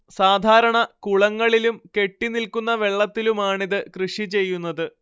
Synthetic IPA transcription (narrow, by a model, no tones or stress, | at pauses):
saːd̪ʱaːɾɐɳɐkuɭɐŋːɐɭilumke̞ʈːinilkunːɐʋe̞ɭːɐt̪ːilumaːɳiðɨkrɨʂit͡ɕe̞jːunːɐðɨ